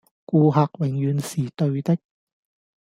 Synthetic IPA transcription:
kuː˧ɦaː˧k̚wɪ˨˩ŋjyː˨˧nsiː˨˩t̪ɵ˧ɥt̪ɪ˥k̚

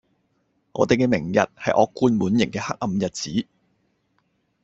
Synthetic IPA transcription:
ŋʔɔ̰ː˨˧t̪e˨jkɛː˧mɪ˨˩ŋjɐ̰˨t̚hɐ˨jʔɔː˨˧˥kːuː˧nmuː˨˥njɪ˨˩ŋkɛː˧ha˥k̚ʔɐ˧mjɐ˨t̚t͡siː˨˥

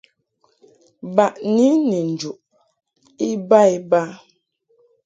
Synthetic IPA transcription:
ba˨ʔni˦ni˨n̩˨d͡ʒu˨ʔ | i˦ba˦i˦ba˦

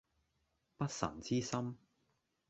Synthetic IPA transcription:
pɐ˥t̚sɐ̰˨˩nt͡siː˥sɐ˥m

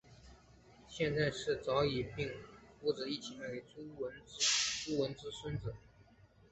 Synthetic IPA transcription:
ɕjɛ˥˧nt͡sa˥˧ɪʂɻ̩˥˩t͡sɑ˧˥ʊi˨˩pi˥˩ŋfu˧˥ʈ͡ʂɤ˨˧˥i˥˩t͡ɕʰi˧˥ŋwe˧˥ɪt͡su˥wə˧˥n˥t͡su˥wə˧˥nt͡sɹ̩˥swə˥nt͡sɤ˨˩˦

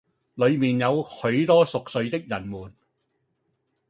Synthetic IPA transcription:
lɵ˨˧ɥmiː˨˩njɐ˨˧whɵ˨˧˥ɥt̪ɔː˥sʊ˨k̚sɵ˨˧ɥt̪ɪ˥k̚jɐ˨˩nmuː˨˩n

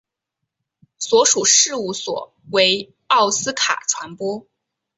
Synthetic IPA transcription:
swɔ˧˥ʂu˨˩ʂɻ̩˥˧u˥˩swɔ̰˨˩˦ | we˧˥ɪ | ɑ˥˩ʊsɹ̩˥kʰa̰˨˩ʈ͡ʂʰwa˧˥npwɔ˥

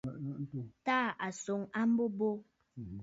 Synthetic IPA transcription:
n̩˦to˨taː˦˨ʔa˨so˨ŋa˦m̩˦bo˦bo˦˨

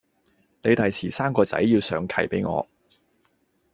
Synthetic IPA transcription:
ne˨˧jt̪ɐ˨jt͡sʰiː˨˩saː˥mkɔː˧t͡sɐ̰˨˥jːiː˧wsœː˨˧ŋkʰɐ˨˩jpḛ˨˥jŋɔ̰ː˨˧

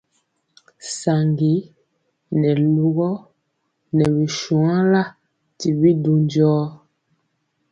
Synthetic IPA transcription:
sa˨ŋɡi˨˦ | nɛ˨lu˦ɣɔ˦ | nɛ˨βi˨ʃu˨ã˦la˦˨ | ti˨bi˦du˨ndɔː˦

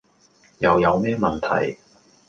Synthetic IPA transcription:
jɐ˨˧wjɐ˨˧wmɛː˥mɐ˨nt̪ʰɐ̰˨˩j

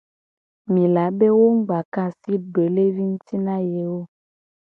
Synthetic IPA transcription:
mĩ˨la˨be˦wo˦ŋ̩˦ɡ͡ba˨kã˦si˦ɡ͡be˨le˦vi˦ŋu˦t̪i˦nã˦je˨wo˦

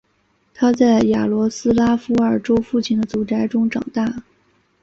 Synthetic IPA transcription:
t̪ʰa˥t͡sa˥˩ɪja˨˩lwɔ˧˥sɹ̩˥la˥fu˥ə˞˨˩ʈ͡ʂo˥ʊfu˥˩t͡ɕʰi˥nd̪ə˧t͡su˨˩ʈ͡ʂa˧˥ɪʈ͡ʂʊ˥ŋʈ͡ʂɑ̰˨˩ŋt̪a˥˩

